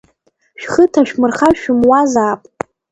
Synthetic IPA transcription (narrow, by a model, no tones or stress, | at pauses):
ʃᶣχətʰaʃᶣmɨrχaʃᶣʊmwazaːpʼ